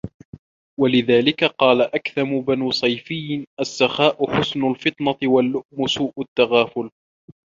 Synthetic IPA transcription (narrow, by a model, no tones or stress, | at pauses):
walɪðaːlɪkaqɑːlaʔakθamʊbanuːsˤɑjfɪjːʔasːaxaːʔʊħʊsnʊlfɨt̪ˤnɑt̪ɪwalːʊʔmʊsuːʔʊt̪ːaɣaːfʊl